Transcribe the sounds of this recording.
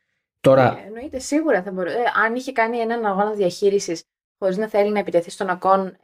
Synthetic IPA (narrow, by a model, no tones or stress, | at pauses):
t̪o̞ɾɐ̰eno̞it̪e̞siɣuɾɐθɐbo̞ɾuɐniçe̞kɐnie̞nɐnɐɣo̞nɐðiɐçiɾisis | xo̞ɾiznɐθe̞linɐepit̪e̞θist̪o̞nɐko̞n